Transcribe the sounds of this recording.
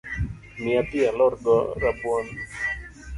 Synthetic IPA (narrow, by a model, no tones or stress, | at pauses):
miat̪ialɔrɡɔ̰ɾapwɔn